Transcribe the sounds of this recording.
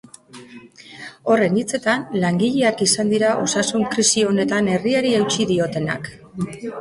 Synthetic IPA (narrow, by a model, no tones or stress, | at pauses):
o̞re̞nit͡se̞t̪anlaŋɡiʎe̞akisand̪iɾaʔo̞sasuŋkɾisio̞ne̞t̪ane̞riaɾiewt͡ʃiðio̞t̪e̞na̰k